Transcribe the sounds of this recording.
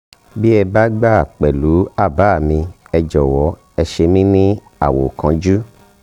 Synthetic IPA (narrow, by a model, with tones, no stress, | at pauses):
bi˦ɛ˧ba˦ɡ͡ba˦˨k͡pɛ˨lu˨˦a˦˨ba˨˦˨mĩ˧ɛ˧d͡ʒɔ˨wɔ˨˦ | ɛ˧ʃe˧mĩ˦nĩ˦ | a˦˨wo˨kã˧d͡ʒu˦